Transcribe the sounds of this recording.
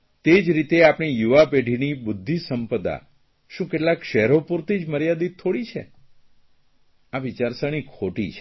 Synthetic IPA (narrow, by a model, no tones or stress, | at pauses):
t̪ed͡ʒɾit̪eapɳ̃ijuʋapeɖʱinibʊd̪ʱːisəmpəd̪a̰ | ʃũkeʈlakʃɛɦɾopuɾt̪ʰid͡ʒməɾjad̪it̪ʰːoɽit͡ʃʰḛ | aʋit͡ʃaɾsəñikʰoʈḭt͡ʃʰ